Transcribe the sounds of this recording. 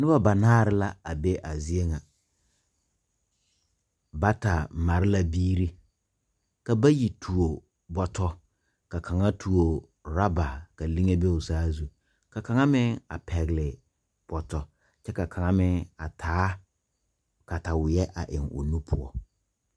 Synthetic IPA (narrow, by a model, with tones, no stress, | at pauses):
nɪ˦ba˦ba˨naː˦˨ɾɪ˦la˦a˨be˦ʔa˨zɪ˦e˦ŋa˨ | ba˦ta˨ma˨ɾɪ˦la˦biː˦ɾi˦ | ka˨ba˦ji˨tʰu˨o˨ | bɔ˨tɔ˦ | ka˨kʰa˨ŋa˦tʰu˨o˨ | ɾa˦ba˨ka˨li˦ŋe˦be˦ʊ˨saː˦zu˦ | ka˨ka˨ŋa˦mɪ˦ŋa̰˨pʰɛ˨ɣlɪ˨ | b̥ɔ˨tɔ˨ | t͡ʃɛ˦ka˨kʰa˨ŋa˦mɪ˦ŋa˨tʰaː˨˦ | ka˨ta˨wɪ˨jɛ˦ʔa̰˨ʔɪ˨ŋʊ̰˨nu˦pʰʊ˦ɔ̰˦